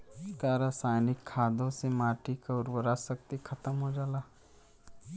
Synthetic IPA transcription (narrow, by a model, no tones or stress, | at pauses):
kaːɾasaːjnɪkʰːaːd̪õsemaːʈikaʊɾbəɾasək̚t̪ikʰɐt̪əmɦod͡ʒaːlaː